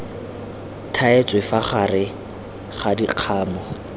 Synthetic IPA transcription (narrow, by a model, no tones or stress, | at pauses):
tʰaet͡sʼwefaχarɪ | χadiq͡χʰaːmɔ